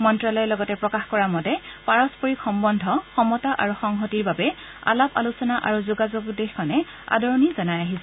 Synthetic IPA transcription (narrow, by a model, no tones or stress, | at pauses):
mɔntɹalɔjɛlɔɡɔtɛpɹɔkaxkɔɹamɔdɛpaɹɔspoɹixɔmbɔndʱɔxɔmɔtaʔa̰ɹuxɔŋɦɔtiɹbabɛ | a̰lapa̰lusɔnaʔaɹuzuɡazoɡdexkʰɔnɛ | a̰dɔɹɔnizɔnajaɦisɛ